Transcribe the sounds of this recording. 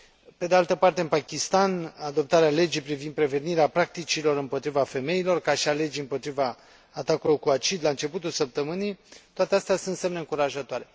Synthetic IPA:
pe̞d̪e̞alt̪əpart̪e̞ɨnpakʲist̪anad̪o̞p̚t̪aɾeale̞d͡ʒijpɾivind̪̚pɾe̞ve̞niɾeapɾak̚t̪it͡ʃilo̞ɾɨmpo̞t̪ɾivafe̞me̞ilo̞rkaʃiale̞d͡ʒiɨmpo̞t̪ɾivaː | t̪akulorkuat͡ʃid̪laɨnt͡ʃe̞put̪ulsəp̚t̪əmɨnijt̪oat̪east̪easunse̞mneɨŋkuɾaʒət̪oaɾe̞

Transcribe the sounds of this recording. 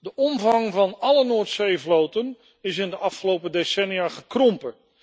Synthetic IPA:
dəʔɔmvɑŋvɑnɑlənoːɹtsejvlowtən | ɪsɪndəʔɑfχəlowpədesɛnijaχəkrɔmpə

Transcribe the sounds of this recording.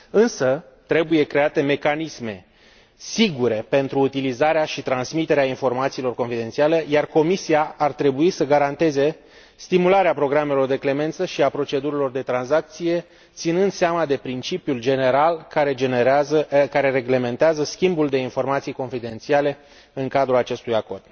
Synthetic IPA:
ɨnsə | t̪ɾe̞buje̞kɾe̞at̪e̞me̞kanisme̞ | siɡuɾe̞pe̞nt̪ɾuːt̪ilizaɾeaʃit̪ɾansmit̪e̞ɾeainfo̞rmat̪siːlo̞rko̞nfid̪e̞nt̪siale̞jarko̞misiaːrt̪ɾe̞buisəɡaɾant̪e̞ze̞ | st̪imulaɾeapɾo̞ɡɾame̞lo̞rd̪e̞kle̞me̞nt̪səʃiapɾo̞t͡ʃe̞d̪uɾilo̞rd̪e̞t̪ɾansak̚t̪sije̞ | t̪sinɨnd̪seamad̪e̞pɾint͡ʃipjuld͡ʒe̞ne̞ɾalkaɾed͡ʒenezəkaɾe̞ɾe̞ɡle̞me̞nt̪eazəskʲimbuld̪e̞info̞rmat̪sijko̞nfid̪e̞nt̪siale̞ | ɨŋkad̪ɾulat͡ʃe̞st̪ujako̞rd̪̥

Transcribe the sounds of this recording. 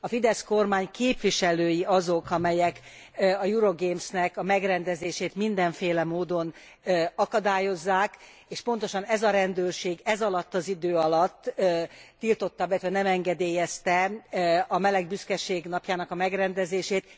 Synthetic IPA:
ɒfid̪ɛsko̞rmaːɲkeːpʋiʃɛløːjiɒzo̞kɒmɛjɛk | ɒjuɾoɡeːmsnɛkɒmɛɡrɛnd̪ɛzeːʃeːt̪mind̪ɛɱfeːlɛmoːd̪o̞n | ɒkɒd̪aːjo̞zːaːk | eːʃpo̞n̪t̪o̞ʃɒnɛzɒɾɛnd̪øːrʃeːɡɛzɒlɒt̪ːɒzid̪øːɒlɒt̪ː | ilt̪o̞t̪ːɒbɛt̪ʋɛnɛmɛŋɡɛd̪eːjɛst̪ɛ | ɒmɛlɛɡbyskɛʃeːɡnɒpjaːnɒkɒmɛɡrɛnd̪ɛzeːʃeːt̪

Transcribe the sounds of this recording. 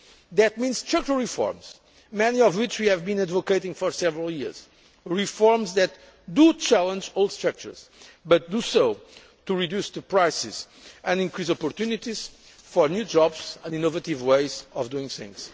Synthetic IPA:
ðɨt̪̚mĩnz̥tʰɛk̚təɹifɔ̰ɹmz̥ | mɛniɔvwɪt͡ʃwiɛvbĩnad̪vokeɪtĩŋfɔɹsɛvɹəlˠjiɹz̥ | ɹifɔɹmzðɛt̪ | d̪ut͡ʃælˠə̃nd͡ʒoʊlˠdstɹak̚tə̰˞z̥bʌt̪̚d̪usoʊ | t̪uɹidjusðɨpɹajsɪ̰z̥ | ɨ̃nĩŋkɹizɔpɔɾt̪junit̪iz̥ | fɔɹnjud͡ʒɔbzə̃ndinovət̪ivweɪzɔvd̪uĩŋθɪ̰̃ŋz̥

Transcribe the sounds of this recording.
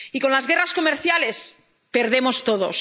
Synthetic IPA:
ikonlazɣe̞rasko̞meɾθjale̞s | pe̞ɾðe̞mo̞st̪o̞ð̞o̞̰s

